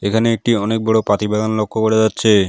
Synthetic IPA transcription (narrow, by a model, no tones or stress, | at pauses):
ekʰaneek̚ʈiɔnek̚bɔɽopɾat̪ibɛɡ̪anlokʰːokoɽed͡ʑatːɕʰe